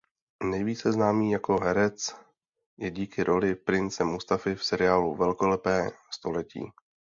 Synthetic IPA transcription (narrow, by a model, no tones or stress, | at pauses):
nɛjviːt͡sɛznaːmiːjako̞ɦɛɾɛt͡s | jɛɟiːkɪɾʔo̞lɪpɾɪnt͡sɛmust̪afɪfsɛɾɪaːluvɛlkolɛpɛːst̪o̞lɛcḭː